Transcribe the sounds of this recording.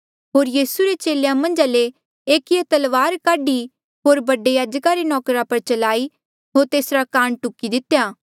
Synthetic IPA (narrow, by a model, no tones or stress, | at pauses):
ɦoːɾjiːsuɾet͡ʃeːlejãmɐ̃nd͡ʒale | eːkiet̪ɐlʋaːɾkaːɖi | ɦoːɾbɐɖejaːd͡ʒkaɾenɔːkɾapɐɾt͡ʃɐlaːi | ɦoːɾt̪eːsɾakaːɳʈʊkid̪ɪt̪jaː